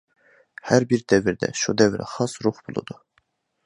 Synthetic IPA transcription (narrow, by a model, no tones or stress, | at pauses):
hæɾbiɾd̪ɛviɾd̪ɛ̰ʃud̪ɛvɾɛ̰χɑsɾuχbulˠṵd̪̥u